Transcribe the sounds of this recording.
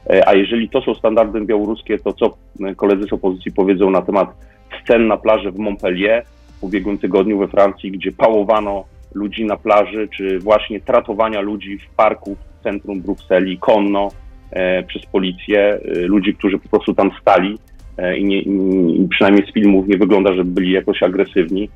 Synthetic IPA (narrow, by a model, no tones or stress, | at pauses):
ʔa̰jɛʐɛlʲit̪ɔsɔ̃w̃st̪and̪aɾd̪ɨbʲjawɔɾuskʲɛt̪ɔt̪sɔ | kɔlɛd̪zɘsɔpɔzɘt̪sjipɔvʲjɛd̪zɔw̃nat̪ɛmat̪ | st̪sɛnːaplaʐɛvmɔmpɛlʲjɛ | pubʲjɛɡwɘmt̪ɘɡɔd̪ɲuvɛfɾant̪sʲjiɡd͡ʑɛpawɔvanɔlud͡ʑinaplaʐɘt͡ʂɘvwaɕɲɛt̪ɾat̪ɔvaɲalud͡ʑifpaɾkuft̪sɛnt̪ɾumbɾuksɛlʲikʰɔnːɔ | pʂɛspɔlʲit̪sʲjɛlud͡ʑik̚t̪uʐɘpɔ̥pɾɔst̪ut̪amst̪alʲi | ḭɲɛpʂɨnajmʲɲejsfʲilmufɲɛvɘɡlɔnd̪aʐɛbɘlʲijakɔɕaɡɾɛsɘvɲi